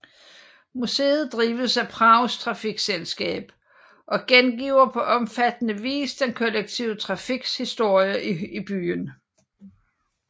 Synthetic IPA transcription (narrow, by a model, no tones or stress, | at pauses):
musḛːð̞̩ˠd̥ʁiːʋəsæpʰʁɑ̈ʊst͡sʰʁɑ̈fiɡ̥selsɡ̥ɛ̰ːb̥ | ʔɒ̽ɡ̥enɡ̥iːʊɐpʰɒ̽ʔɒ̽mfæd̥ənəʋḭːsd̥enkʰɒ̽leɡ̥̚t͡sʰiʊt͡sʰʁɑ̈fiɡ̥shisd̥o̝ɐ̰jəib̥y̰ːn